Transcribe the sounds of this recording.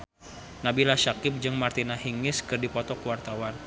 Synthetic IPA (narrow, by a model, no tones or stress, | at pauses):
nabilaʃakɪp̚d͡ʒɨŋmart̪inahiŋɪskɨrdipɔt̪ɔkuwart̪awan